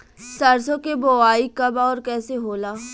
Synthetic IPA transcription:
sɐɾsõkeboːaːikɐbaɔːɾkɛːseɦoːlaː

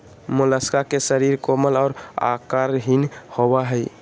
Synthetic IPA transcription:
moləskakesəɾiɾkoməlɔːɾa̰kaɾɦinhobaɦə

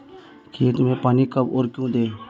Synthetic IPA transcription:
kʰeːt̪mẽːpaːniːkəboːɾkjũːd̪eː

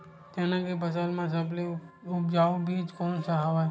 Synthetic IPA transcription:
t̪eːnãkebəsəlmãs̬əbli | ʊp̚d͡ʒaːobʱiːd͡ʒkɔːnsəɦaʋa

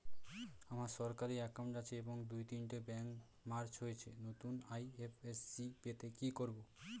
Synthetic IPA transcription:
amaɾʃɔɾkaɾiɛkawɳʈat͡ɕʰeeboŋd̪ujt̪inʈebɛŋk | maɾt͡ɕɦojet͡ɕʰenot̪unajefʰesːipet̪ekikoɾbo

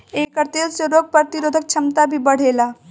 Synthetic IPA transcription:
eːkːəɾt̪eːlseɾoːɡ̚pəɾt̪iɾoːd̪ʱək̚t͡ʃʰɐmt̪abʱibəɽ̤eːlaː

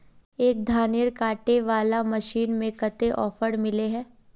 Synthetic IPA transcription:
eːk̚d̪ʱaːnɪɾkaːʈeʋaːlamɐʃiːnmẽkɐt̪eʔɔːfəɾmɪleɦɛ̃ː

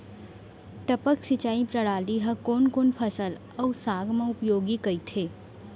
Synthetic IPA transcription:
ʈəpəksɪt͡ʃaːĩpɾəɽaːliɦɐkoːnkoːnpʰəsəl | ɐsaːɡmẽʊpjoːɡikəit̪ʰeː

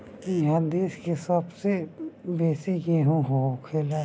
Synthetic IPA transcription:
jɦãd̪iːskesɐbsebeːsiɡeɦũɦokʰeːla

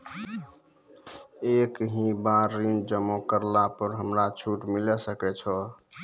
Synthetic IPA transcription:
ekɦĩbaɾːind͡ʒəmõkəɾlapəɾɦəmɾat͡ʃʰuʈmilɛsəkɛt͡ʃʰɔ

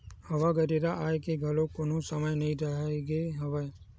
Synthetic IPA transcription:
həʋaɡəɾeɾaʔaːjekeɡʱəlokonõsəməjnəɦĩɾəɦeɡeɦəʋa

